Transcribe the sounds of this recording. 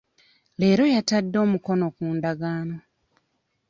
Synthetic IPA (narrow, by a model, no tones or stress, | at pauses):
le̞ːɾo̞jatadːo̞ːmuko̞no̞kuːndaɡaːno̞